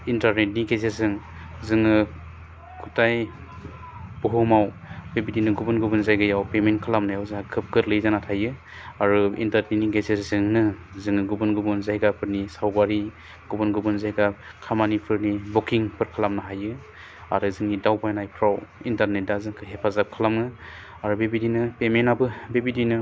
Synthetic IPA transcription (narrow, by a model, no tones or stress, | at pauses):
intaɾnetniɡezezɯŋ | zɯŋɯ | kʰutaj | b̥uɦɔmaw | bebidinɯɡubunɡubɯnzajɡɯjawpementkʰalamnajawzaakʰɯp̚kɯt̚lɯjzanatʰajɯ | aɾuḭntaɾniniɡezezɯŋnɯ | zɯŋɯɡubunɡubunzajɡapʰɯɾnisawɡaɾi | ɡ̥ubunɡubɯnzajɡa | kʰamanipʰɯɾnibɔkiŋpʰɯɾkʰalamnɯɦajɯ | a̰ɾɯzɯŋnidawbajnajpʰɾawintaɾnet̚dazɯŋkʰɯɦepʰazap̚kʰɯlamɯ | aɾubebidinɯpemenabɯbebidinɯ